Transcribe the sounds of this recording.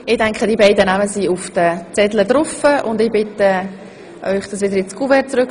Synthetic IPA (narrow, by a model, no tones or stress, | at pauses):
ɪdɛŋkχədibaɪdənæməsiʊfd̥ət͡sɛdlədɾʊfəʔʊndɪbɪtə | ʔœʏχd̥ɑsʋɪdəɾjɪt͡skuvɛt͡sɾøk